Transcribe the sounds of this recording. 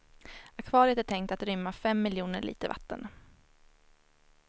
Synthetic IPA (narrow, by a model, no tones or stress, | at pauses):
ʔakʰvɑːɾɪət̪æʈʰɛŋk̚t̪at̪ɾʏmːafɛmːɪljuːnəɭḭːt̪əva̰t̪ːə̰n